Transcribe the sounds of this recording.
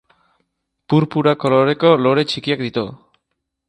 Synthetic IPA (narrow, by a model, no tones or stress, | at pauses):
puɾpuɾakoloɾe̞koloɾe̞t͡ʃikiak̚d̪it̪o